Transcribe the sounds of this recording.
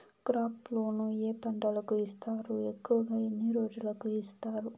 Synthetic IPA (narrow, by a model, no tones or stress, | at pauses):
kɾaːplo̞ːnue̞ːpɐɳɖɐlɐkuist̪aːɾue̞kːuʋɐɡaːenːiɾo̞ːd͡ʒulɐkuist̪aːɾu